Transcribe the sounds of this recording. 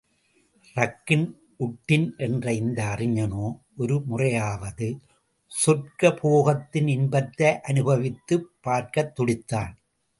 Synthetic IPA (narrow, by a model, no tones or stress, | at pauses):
rɐkːɪn | ʔʊʈːɪnʔɛndrɐɪnd̪ɐːrɪɲɐnoːʔɔɾɯmʊrɐjaːʋɐðɯ | sɔrkɐpoːɣɐt̪ːɪnɪnbɐt̪ːɐɪʔɐnɯbɐʋɪt̪ːɯpːaːɾkɐt̪ːʊɽɪt̪ːaːn